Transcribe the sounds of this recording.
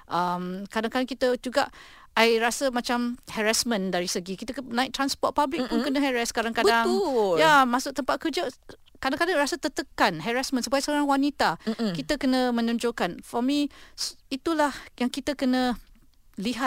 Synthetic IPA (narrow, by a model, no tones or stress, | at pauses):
ʔəmkadaŋkadaŋkit̪əd͡ʒuɡaʔ | ajɾasəmãt͡ʃamhɛɹasmə̃ndaɾisəɡikit̪ənãɪk̚t̪ɾanspɔt̪̚pablɪk̚pʊnkənə̃ɦɛɹaskadaŋkabdaŋjamãsʊk̚t̪əmpat̪̚kərd͡ʒə | kadãŋkadaŋɾasət̪ət̪əkanɦɛɾasmə̃nsupajasəoɾaŋwanit̪akit̪əkənə̃mə̃nɔ̃ɲd͡ʒokanfɔmi | it̪ulahjaŋkit̪əkənə̃ | liɦat̪̚